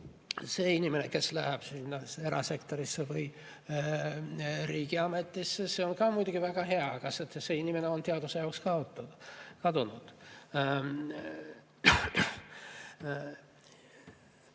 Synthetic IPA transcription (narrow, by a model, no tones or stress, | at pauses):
seinimeneke̞slæhæb̥sinːɑe̞ɾʔɑ̰se̞kt̪oɾisːevɯj | ɾiːɡ̥iɑme̞t̪ːisːese̞onkɑːmujd̪uɡ̥ivæɡ̥ɑɦe̞ɑkɑset̪se̞inimeneo̞nt̪eɑd̪̥usejɑokskɑot̪ːukɑd̪unud̪̥